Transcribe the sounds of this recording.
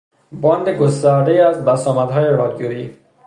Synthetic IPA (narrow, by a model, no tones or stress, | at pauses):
bɒnd̪eɡʊst̪aɾd̪eiazbasɔmad̪ɦɒːjeɾɒd̪joiː